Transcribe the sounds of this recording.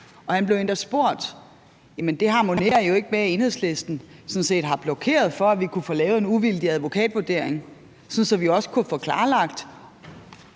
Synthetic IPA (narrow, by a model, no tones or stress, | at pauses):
ɒ̽hænb̥leʊen̰d̥ɐsb̥o̝ɐ̰d̥ | jæmend̥e̝ɦɑ̈ːmo̝ne̝ːɐjo̝e̝ɡ̥əmeæe̝ːnhe̝ðˠsle̝sd̥n̩sɔ̽n̩se̝̰ːd̥ɦɑ̈b̥lɒ̽kʰe̝̰ːɐð̞ˠfɒ̽æʋikʰufoːlɛːʊe̝nuʋild̥iæð̞ˠʋo̝kʰɛ̰ːd̥ʋuɐd̥e̝ɐ̰eŋ | sɒ̽n̩sɒ̽ʋiɒ̽sə̥kʰufɔːkʰlɑ̈ːlɑ̈ɡ̥̚d̥